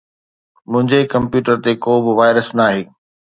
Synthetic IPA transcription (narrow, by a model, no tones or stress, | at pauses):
mʊ̃ɦɪ̃ɲd͡ʑekɐ̃mpjuːʈəɾt̪ekoːbɪʋaːɪɾəsnaːɦeː